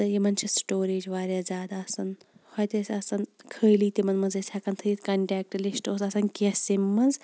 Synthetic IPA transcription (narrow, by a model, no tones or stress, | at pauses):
t̪ɐjimɐnt͡ʃʰisʈoːɾeːd͡ʒʋaːɾʲjazʲaːd̪aɐsɐn | hɔjt̪ɐsʲɐsɐnkʰəːjliːt̪imɐnmɐnzesʰʲakɐnt̪ʰɨjit̪kɐɳʈɛːk̚ʈlisʈoːsɐsɐnkʲesimːɐnz